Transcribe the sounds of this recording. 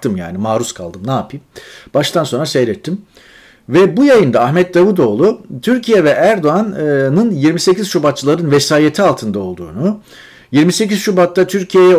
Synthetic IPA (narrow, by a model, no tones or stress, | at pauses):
t̪ɯmja̰ːnimaːɾuskʰa̰lˠd̪ɯmnaːpʰimb̥aʃt̪ʰanso̞nɾasejɾɛt̪ʰːim | vɛbujajɯnd̪aːxmɛt̪̚d̪avud̪o̞ːlˠut̪ʰyɾcʰijɛvɛʔæɾd̪o̞annɯnjiɾmise̞ciz̥ʃubat̪̚t͡ʃːɯlˠaɾɯnvɛsaːjet̪ʰialˠt̪ʰɯnd̪ao̞lˠd̪ṵːnu | jiɾmise̞ciz̥ʃubat̪ːat̪ʰyɾcʰijejɛ